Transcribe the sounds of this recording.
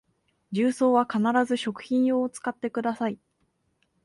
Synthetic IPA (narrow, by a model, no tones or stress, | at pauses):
d͡ʑɨːso̞ːβakanaɾazɨɕo̞kɯ̟̥çĩɰ̃o̞ːt͡sɨ̥kat̪ːe̞kɯ̟d̪asai